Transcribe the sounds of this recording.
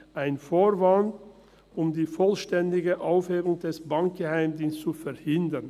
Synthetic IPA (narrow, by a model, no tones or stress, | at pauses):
ʔaɪnfoːʁvan | ʔʊmdiːfɔlʃtɛndɪɡəʔaʊfheːʁʊŋdɛsb̥aŋk̚ɡ̥əhaɪmdiːnst͡sufɛɐhɪndən